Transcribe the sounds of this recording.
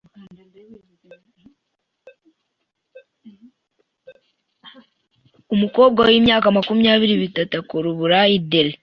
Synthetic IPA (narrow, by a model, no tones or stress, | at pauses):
umuko̞ːb̚ɡawiːmɲjaːkamakumujaːβiɾiβitatakoɾuβuɾajideɾe